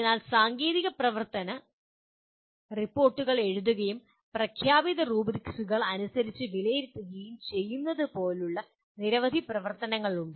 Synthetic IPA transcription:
nːaːlsaːŋɡeːðiɣɐprɐʋɐrt̪ɐnɐ | ripːo̞ːrʈːuɣɐɭe̞ɻuðuɣɐjum | prɐkʰjaːbiðɐruːbɾiksuɣɐɭɐnusɐɾit͡ɕːɨʋilɐjiɾt̪ːuɡijumt͡ɕe̞jːunːɐðɨpo̞ːluɭːɐ | niɾɐʋɐd̪ʱiprɐʋɐrt̪ɐnɐŋːɐɭuɳɖɨ

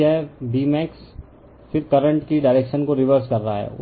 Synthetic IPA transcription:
ɛbiːmɛːks | fɪɾkɐɾə̃ɳʈkiɖaːɪɾeːkʃənkoɾɪʋəɾskɐɾːaa̰ɦɛ̰

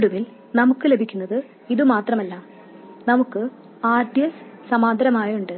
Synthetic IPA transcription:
ɽuʋil | nɐmukːɨle̞bʱikʲːunːɐðɨ | iðɨmaːt̪rɐmɐlːɐm | nɐmukːɨ | aːɾd̪ijɐssɐmaːd̪ʱɐɾɐmaːjuɳɖɨ

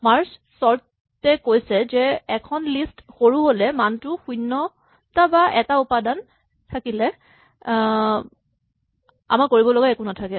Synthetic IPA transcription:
maɹssɔɹ | tɛkojsɛzɛɛkʰɔnlistxoɹuɦolɛmantʊxujnːɔ | tabaʔɛtaupadan | tʰakilɛ | a̰makoɹibɔlɔɡaɛkunatʰakɛ

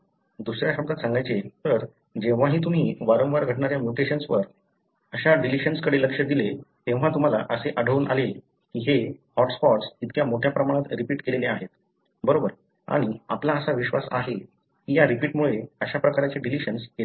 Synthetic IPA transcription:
d̪usɾjaɕəb̚d̪at̪sãŋɡajt͡set̪əɾ | d͡ʑeʋ̤aɦiːt̪um̤iːʋaɾõʋaɾɡʱəʈɳaɾjamjuʈeɕənsʋəɾ | əɕaɖiliɕənskəɽeləkʂəd̪ilet̪ẽʋ̤̃at̪um̤ala̰ʔəseʔəɖʱəʋuːnʔa̰lel | kiːɦehɔʈsfɔʈsit̪kjamoʈʰjapɾəmaɽ̃at̪ɾipiːʈkeleleaɦet̪ | bəɾobəɾ | a̰ɽ̃iaplaəsaʋiɕʋasa̰ɦe | kijaɾipiːʈmuɭeəɕapɾəkaɾat͡seɖiliɕənsje

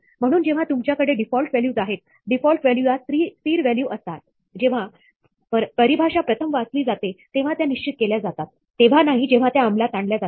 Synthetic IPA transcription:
m̤əɽ̃uːnd͡ʑeʋ̤at̪umt͡ɕjakəɽeɖifɔlʈʋæljuːd͡zaɦet̪̚ | ɖifɔlʈʋæljujat̪ɾiːfiːɾʋæljuʔəst̪at̪̚ | d͡ʑeʋ̤a | pəpəɾibʱaʂapɾət̪ʰəmʋəəsliːd͡zat̪et̪eʋ̤at̪janiɕt͡ɕit̪̚keljad͡zat̪at̪ːeʋ̤anaɦid͡ʑeʋ̤at̪jaːmlat̪aɳljad͡za

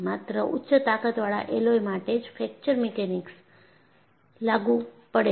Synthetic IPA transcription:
mat̪ɾəʔʊtːʃət̪akət̪ʋaɭa̰ʔelojmaʈed͡ʒfʰɛk̚t͡ʃəɾmekeniks | laɡũpəɽe

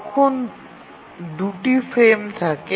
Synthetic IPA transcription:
kʰon | d̪uʈifɾemt̪ʰake

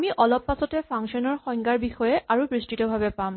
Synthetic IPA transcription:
miʔɔlɔpːasɔtɛpʰaŋʃɔnɔɹxɔŋɡaɹbixɔjɛʔaɹupɹistitɔbʱabɛpam

